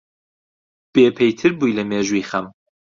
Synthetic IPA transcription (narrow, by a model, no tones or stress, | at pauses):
b̥eːpʰejt̪ʰɨɾbuːjlɐmeːʒuiːxɐm